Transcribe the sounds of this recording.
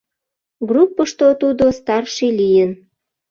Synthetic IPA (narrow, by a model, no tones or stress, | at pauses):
ɡrupːəʃt̪ot̪ud̪ost̪ɑrʃilijən